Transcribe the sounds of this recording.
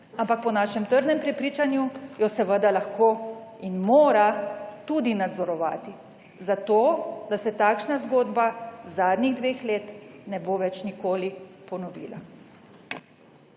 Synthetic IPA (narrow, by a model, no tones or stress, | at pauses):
ampak̚pɔnaːʃɛmt̪əɾnɛmpɾɛpɾiːt͡ʃanjujɔsɛʋəd̪alaxkoːinmoːɾat̪ud̪inad̪zɔɾɔʋaːt̪i | zat̪oːd̪asɛt̪aːkʃnazɡoːd̪bazaːd̪niɣd̪ʋeːxleːt̪nɛboːʋɛt͡ʃnikoːlipɔnɔʋḭːla̰